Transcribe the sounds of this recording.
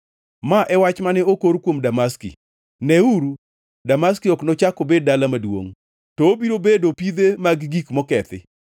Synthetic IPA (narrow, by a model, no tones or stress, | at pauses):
maʔɛwat͡ʃmanɛokoɾkwomdamaskḭ | nɛuɾu | damaskiɔknɔt͡ʃakobed̚dalamadwo̰ŋ | tɔobiɾobedopid̪emaɡɡikmɔkɛt̪ɪ̰